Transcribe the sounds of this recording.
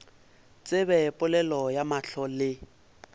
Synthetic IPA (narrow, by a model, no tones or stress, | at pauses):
t͡sʼɪbɛpʼʊlɛlɔjamaɬɔlɪ